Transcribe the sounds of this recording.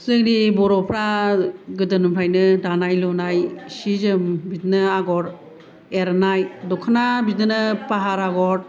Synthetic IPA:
sɯŋnibɔɾɔpʰɾaɡɯdɯnumɾʰajnɯdanajlɔnajsizɯmbit̚nɯaɡɔɾ | eɾnajdɔkʰanabit̚nɯnɯpaɦaɾaɡɔɾ

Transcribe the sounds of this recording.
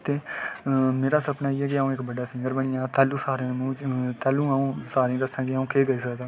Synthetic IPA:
t̪eː | meːɾaːsəpnaːiːɛːk̬ɪaːũːɪkbəɖaːsɪ̃ŋɡəɾbəɳɪːjãːt̪ɛːlũːsaːɾẽmũːt͡ʃt̪ɛːlũːaːũːsaːɾẽːd̪əsãːkɪaːũːkeːɡəiːsəkd̪ãː

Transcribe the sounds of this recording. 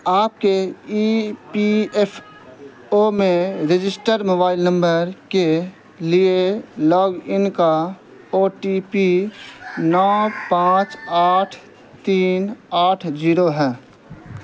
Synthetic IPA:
aːp̚keipiepʰ | omẽɾɪd͡ʒɪsʈəɾmoːbaːɪlnə̃mbəɾke | lielɔːɡɪnka | oːʈipi | nɔːpãːt͡ʃaːʈʰ | t̪iːnaːʈʰd͡ʒiːɾoɦɛː

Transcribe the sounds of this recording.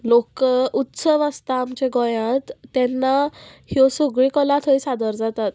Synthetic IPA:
lokut̪səʋast̪aːmt͡ɕeɡɔ̃jãt̪ːɛnːahjɔsuɡɭikɔlat̪ʰəisad̪əɾd͡zat̪at̪

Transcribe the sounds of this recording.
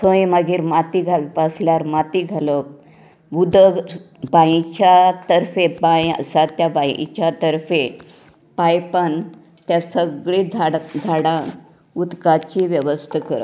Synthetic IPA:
kʰə̃jməɡiːɾmat̪iɡʱaʋipasljaɾmat̪iːɡʱalə | ʋud̪ʱə | bãĩt͡ɕat̪əɾfepajə̰sat̪jabãit͡ɕjat̪əɾfe | pajpəɳ | t̪jasəɡɭid͡zʱaɽd͡zʱaɽã | ud̪kat͡ɕiʋjəʋəst̪ʰəkəɾə̰

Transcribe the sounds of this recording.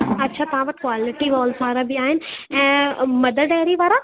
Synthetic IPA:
ɐtːʃʰat̪ɐɦãʋɐʈkwaːlɪʈiʋɔːlsʋaːɾabiaːɦɪnɪ̆ɛ̃ːmɐd̪ʱəɾɖaɦɾiʋaːɾa

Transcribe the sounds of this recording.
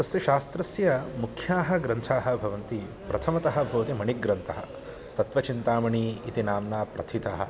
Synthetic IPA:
t̪ɐsjɐʃaːst̪ɾɐsjɐmukʰjaːɦɐ̆ɡɾɐnt̪ʰaːɦɐ̆bʱɐʋɐnt̪i | pɾɐt̪ʰɐmɐt̪ɐɦɐ̆bʱɐʋɐt̪imɐɳiɡɾɐnt̪ʰɐɦɐ̰̆ | t̪ɐt̪ʋɐt͡ʃint̪aːmɐɳiːit̪inaːmnaːpɾɐ̰t̪ʰit̪ɐɦɐ̰

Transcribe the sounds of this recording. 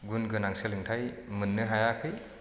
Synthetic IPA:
ɡunɡɯnaŋsɯlɯŋtʰajmɯnːɯɦajakʰɯj

